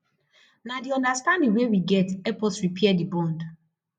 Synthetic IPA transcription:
nadiɔ̃ndastãndĩŋwewiɡɛtɛplsɹipʰɛɛdibɔ̃nd

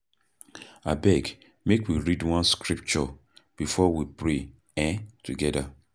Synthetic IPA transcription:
abɛɡ | mekwiɹidwɔ̃nskɹip̚t͡ʃɔb̥ifɔwipɹe | ɛ̃tuɡɛda

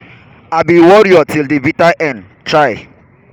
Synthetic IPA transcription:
abiwɔɹiɔtildivitaʔɛ̃n | tɹaɪ

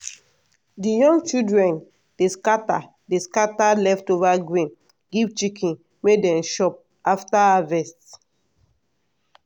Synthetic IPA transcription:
dijɔ̃ŋɡt͡ʃildɹɛ̃n | d̥eskata | deskatalɛftovaɡɹĩn | ɡivt͡ʃikʰĩn | medɛ̃nʃɔp̚ | aftaavɛst

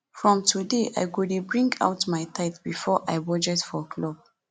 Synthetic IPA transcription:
fɹɔ̃mtʰudeʔa̰jɡudibɹĩŋɡa̰wtmajtʰaɪtb̥ifɔʔajbɔd͡ʒɛtfɔkʰlɔb̚

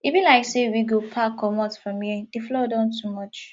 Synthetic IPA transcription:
ivĩnlaɪksewiɡopʰakʰɔmɔtfɹɔ̃mhid̥eflodãʊ̃ntʰumʌt͡ʃ

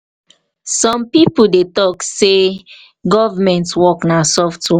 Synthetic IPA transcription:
sɔ̃mpipudetɔkse | ɡɔvamɛ̃ntwɔknasɔftwɛ

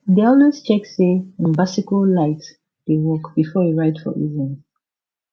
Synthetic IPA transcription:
deɔldest͡ʃɛkseĩmbasikəllaɪt | d̥ewɔkb̥ifɔwiɹaɪtfɔ̰ʔḭzĩn

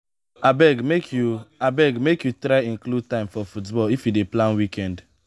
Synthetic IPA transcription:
abɛɡmekʰjuabɛɡmekjutɾaɪĩnklud̚tãɪ̃mfɔfutbɔlifjudeplãnwikɛ̃nd

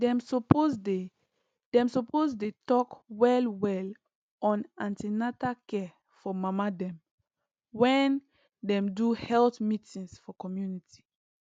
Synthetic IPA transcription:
dɛ̃msɔpozde | d̥ɛ̃msɔpozdetɔkwɛlwɛl | ɔ̃nãntinatakɛ | fɔmamadɛ̃m | wɛ̃n | dɛ̃mduhɛltmitĩŋsfɔkɔmjuniti̥

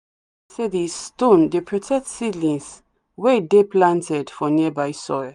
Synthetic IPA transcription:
sedistõndepʰɹɔtʰɛk̚tsidlĩns | wɛdeplãntʰɛdfɔniəbajsɔjl

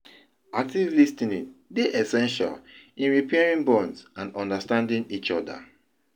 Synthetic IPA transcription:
ak̚tivlistĩnĩbeʔɛsɛ̃nʃa̰lĩnɹipʰɛɹĩŋbɔ̃nsãnɔ̃ndəstãndĩŋit͡ʃɔdə̰

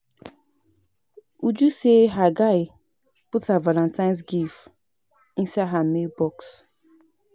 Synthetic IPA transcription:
ud͡ʒuseɦaɡaɪ | pʊtavalãntaɪ̃ns̬ɡif | ĩsaɦamebɔks

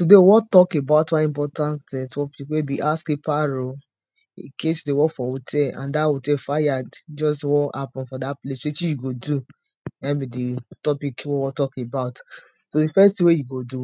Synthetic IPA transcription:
tudeowɔtɔkebaʊtwaĩpɔtãntɛtʰɔpikwebiʔaskepaɾo | ekesdewɔfɔotʰɛã̰ndaotɛfajadd͡ʒɔstwɔhapɔ̃nfɔdaplesetijuɡodu | ɛ̃bidetɔpikwowɔtɔkebaʊt | sodifɛstiwejuɡodu

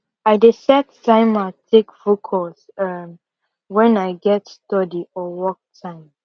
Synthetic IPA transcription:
aɪdesɛttãɪ̃matʰekvokʰɔls | ʌm | wɛ̃naɪɡɛtstɔdiɔwɔk̚tʰãɪ̃m

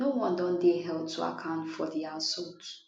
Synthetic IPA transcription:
nowɔ̃ndɔ̃ndeɦɛl̚tʰua̰kʰãʊ̃ntfɔ̰ðiasɔt

